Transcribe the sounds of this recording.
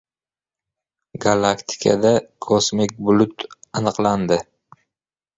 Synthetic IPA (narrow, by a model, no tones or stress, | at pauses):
ɡalˠakt̪ʰɪ̥kʰa̰d̪akʰosmɪk̚ʲbʊlʊt̪anɨqlˠand̪ɪ